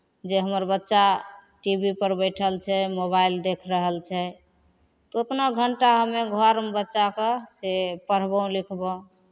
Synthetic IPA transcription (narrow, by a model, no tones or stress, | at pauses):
d͡ʒeɦəməɾbətːʃaʈibipəɾbəɪʈʰəlt͡ʃʰɛmoβaild̪ekʰɾəɦəlt͡ʃʰɛ | t̪ot̪naɡʱəɳʈaɦəmeɡʱəɾbətːʃakesepəɾ̤bə̃likʰbɔ